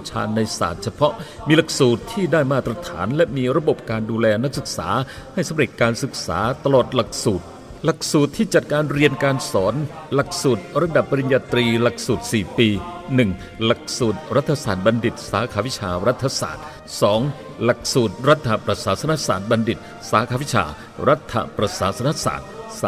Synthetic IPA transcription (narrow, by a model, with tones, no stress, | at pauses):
t͡ɕʰa̰ː˧nːa˧jsa̰ː˨˩t̪̚t͡ɕʰa˧pʰɔ˦˥ʔ | miː˧la˨˩k̚suː˨˩t̪ʰːiː˥˩daː˥˩jmaː˥˩t̪ːɾa˧t̪ʰa̰ː˩˦nlɛ˦˥ʔmiː˧ɾa˧bo˨˩p̚kaː˧nduː˧lɛː˧na˦˥k̚sɯ˨˩k̚sa̰ː˩˦ha˥˩jsa˨˦mɾe˨˩t̪̚kaː˧nsɯ˨˩k̚sa̰ː˩˦t̪a˧lɔː˨˩t̪̚la˨˩k̚suː˨˩t̪̚ | la˨˩k̚suː˨˩t̪ʰːiː˥˩t͡ɕa˨˩t̪̚kaː˧nɾi˧ənkaː˧nsɔː˩˦˥nla˨˩k̚suː˨˩t̪̚ɾa˧da˨˩pːa˧ɾi˧njaː˧t̪ɾiː˧la˨˩k̚suː˨˩t̪̚siː˨˩piː˧nɯ˨˩ŋ | la˨˩k̚suː˨˩t̪̚ɾa˦˥t̪ʰːa˧saː˨˩t̪̚ba˧ndi˨˩t̪̚saː˩˦˥kʰaː˧wi˦˥t͡ɕʰaː˧ɾa˦˥t̪ʰːa˧sa̰ː˨˩t̪̚ | sɔː˩˦ŋ | la˨˩k̚suː˨˩t̪̚ɾa˦˥t̪ʰːa˧pɾa˧saː˩˦sʰa˧na˦˥saː˨˩t̪̚ba˧ndi˨˩t̪̚ | saː˩˦kʰaː˧˩wi˦˥t͡ɕʰa̰ː˧ | ɾa˦˥t̪ʰːa̰˧pɾa˧saː˩˦sʰa˧na˦˥ʔsa̰ː˨˩t̪̚ː